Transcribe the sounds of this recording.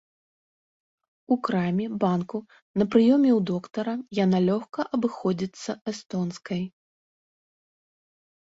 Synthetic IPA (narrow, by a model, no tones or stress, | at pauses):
ukɾamʲɛbanku | nɐpɾɨjɔmʲɛwd̪ɔkt̪ɐɾɐjanalʲɔxkɐʔɐbɨxɔd͡zʲit̪sːɐɛst̪ɔnskɐj